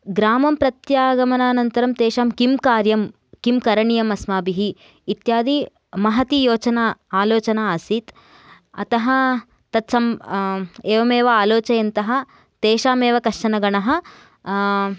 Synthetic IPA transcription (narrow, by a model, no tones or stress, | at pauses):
ɡɾaːmɐmpɾɐt̪jaːɡɐmɐnaːnɐnt̪ɐɾɐmt̪eːʃaːmkimkaːɾjɐm | kimkɐɾɐɳijɐmɐsmaːbiɦiː | t̪jaːd̪i | mɐɦɐt̪ijoːt͡ʃɐnaaːloːt͡ʃɐnaːɐsit̪ | ɐ̰t̪ɐɦɐ̆ | t̪ɐt̪sɐm | eːʋɐmeːʋɐaːloːt͡ʃɐjɐnt̪ɐɦɐ̆ | t̪eːʃaːmeːʋɐkɐʂɐnɐɡɐɳɐɦɐ̆